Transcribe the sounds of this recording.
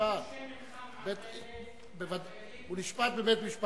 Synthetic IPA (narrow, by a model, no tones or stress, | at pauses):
at̪ | bet̪ | bevad̪ | uniʃpat̪̚bemɛt̪miʃp